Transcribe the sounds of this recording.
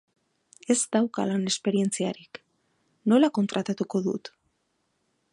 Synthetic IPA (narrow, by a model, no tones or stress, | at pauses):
e̞zd̪awka̰lane̞spe̞ɾie̞nt͡siaɾik | no̞lako̞nt̪ɾat̪at̪uko̞ðṵt̪